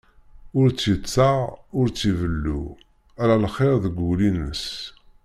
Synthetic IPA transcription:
ʊɾt͡sːjət͡sːaʁʊɾt͡sːivəlːṵ | æɾalχeɾðəɡʷulinəs

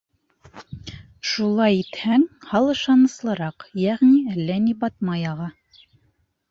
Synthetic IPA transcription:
ʃulˠɑjit̪hæŋhɑlˠɤ̆ʃɑnɤ̆slˠɤ̆ɾɑqjæʁniælːænibɑt̪mɑjɑʁɑ

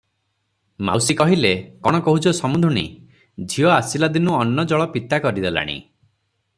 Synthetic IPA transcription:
ma̰wsikɔɦilekɔɽ̃ɔkɔɦut͡ʃɔsɔmud̪ʱɾunḭ | d͡ʒʱiɔasilad̪inuɔnːɔd͡ʒɔɭɔpit̪akɔɾid̪ela̰ɽ̃ḭ

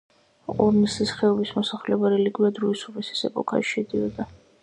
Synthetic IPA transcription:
qʼɔɾnisisχɛɔbismɔsaχlɛbaɾɛliɡwiad̪ɾuisubisi̥sɛ̰pʼɔkʰʼa̰ʃɛd̪iɔd̪a

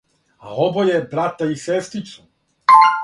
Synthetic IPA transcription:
a̰obojebɾat̪aisest̪ɾit͡ʃ̪u̥

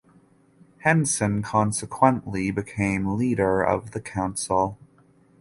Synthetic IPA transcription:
hɛ̃nsɨ̃nkʰɑ̃nsəkʰw̥ə̃nʔlibɨkʰẽɪ̃mliɾə˞ʌ̰vðɨkʰãʊ̃nsl̩ˠ

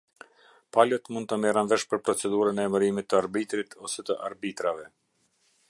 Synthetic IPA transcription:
palət̪mund̪̚t̪əmɛranvɛʃpəɾpɾɔt͡sɛd̪uɾənɛːməɾimit̪ːəaɾbit̪ɾit̪ʰɔsɛt̪əʔa̰ɾbit̪ɾavɛ

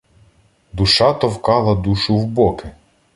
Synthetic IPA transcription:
d̪uʃɑt̪ɔwkɑlˠɐd̪uʃʊwbɔkɪ

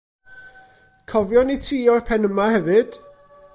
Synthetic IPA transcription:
kʰɔvjɔnitʰiːɔrpʰɛnəmahɛvɨd̥

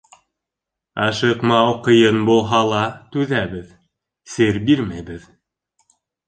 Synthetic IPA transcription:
ɑʃɤqmɑuqɤ̆jɤnbulˠɦɑlˠɑt̪ʉðæβɘð | sɘɾbiɾmæjbɘð

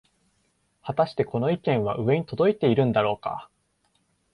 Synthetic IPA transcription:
hat̪aɕi̥t̪eko̞no̞ikẽ̞ɰ̃βa̰ʔɯ̟βe̞ɲ̟it̪o̞d̪o̞it̪e̞iɾɯ̟̃nd̪aɾo̞ːka̰

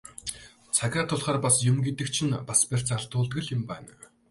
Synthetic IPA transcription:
t͡sʰaɣʲaːt̪ʰʊɮχaːrpasjʊmɡet̪ɘ̆kt͡ɕʰɪ̆npasper̥ʲt͡saɮt̪ʊːɮt̪ɡɘ̆ɮɪ̆mpæ̰ːn

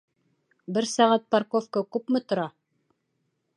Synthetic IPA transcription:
bɘɾsɑʁæt̪̚pɑɾkofkəkʉpmɘ̆t̪ŏɾɑ

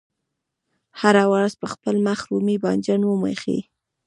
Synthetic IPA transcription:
haɾawaɾazpəxpəlmaxɾumibɑnd͡ʒanwəmḛxḭ

